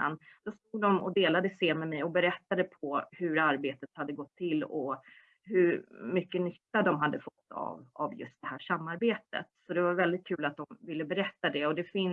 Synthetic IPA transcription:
a̰nd̪̥ɔst̪uːɡ̚d̪ɔmɔ̰d̪eːlad̪əseːmɛmɛjɔbɛɾɛt̪ːad̪əpʰɔhɵɾaɾbeːt̪ət̪had̪ːəɡɔt̪ʰːɪlːɔ | ɦɵɾmʏkːənʏt̪ːad̪ɔmɦad̪ːəfɔt̪ːa̰va̰vjɵ̰st̪̚d̪ɛhæːʂamːaɾbeːt̪ə̰t̪sɔd̪ɛvaɾvɛld̪ɪt̪̚kʰʉ̟ːlat̪̚d̪ɔmvɪlːəbɛɾɛt̪ːad̪ɛɔd̪ɛfɪn

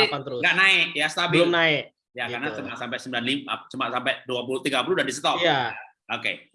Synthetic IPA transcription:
apant̪əɾʊɡaʔnaɪʔjasə̥t̪abɪəlʊmnaɪʔ | jakarnat͡ʃəmaʔsampɛʔsəmbilanliŋ̚at͡ʃəmaʔsampɛʔduap̬ulut̪iɡapuludahdisət̪ɔjaja | okḛ

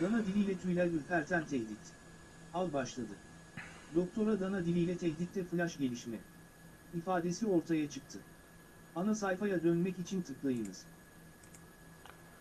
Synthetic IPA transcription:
d̪̥anad̪ilʲijlʲɛt̪ʰyjlʲæylfæɾt̪ʰænt̪ʰɛçlʲit̪ | alˠbaʃlˠad̪ɯ | d̪o̞k̚t̪ʰo̞ɾad̪anad̪ilʲijlʲɛt̪ʰɛɦlʲit̪ːɛfɯlʲˠaʃɟe̞lʲiʃmɛ | ifaːd̪e̞sio̞ɾt̪ʰajat͡ʃʰɯk̚t̪ʰɯ | anasajfajad̪ønmɛcit͡ʃʰint̪ʰɯklˠajɯnɯz̥

